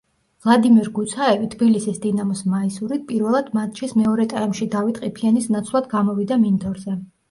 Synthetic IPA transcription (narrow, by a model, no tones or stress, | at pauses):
vlˠad̪imiɾɡut̪sʰaɛvit̪ʰbilisisd̪inamɔsmaisuɾit̪̚pʼiɾvɛlˠad̪̥mat̪̚t͡ʃʰismɛɔɾɛt̪ʼaɛmʃid̪avit̪ʼqʼipʰianisnat̪sʰlˠad̪ɡamɔvid̪amind̪ɔɾzɛ